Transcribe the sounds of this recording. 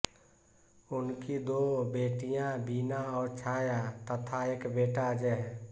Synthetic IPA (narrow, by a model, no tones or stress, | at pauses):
ʊnkid̪obeːʈijãbiːnãɔːɾt͡ʃʰaːjat̪ət̪ʰaeːkbeːʈad͡ʒɛɦ